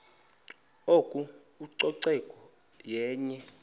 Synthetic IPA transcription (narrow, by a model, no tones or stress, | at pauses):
okʼu | uǀɔǀɛkʼɔ | jɛːɲɛ